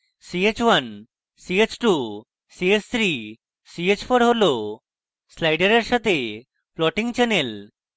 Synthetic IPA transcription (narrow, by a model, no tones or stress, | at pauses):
siet͡ɕwan | siet͡ɕʈu | siet͡ɕt̪ʰɾi | siet͡ɕpʰoɾɦolo | slajɖeɾeɾʃat̪e | pʰlɔʈiŋt͡ɕɛnel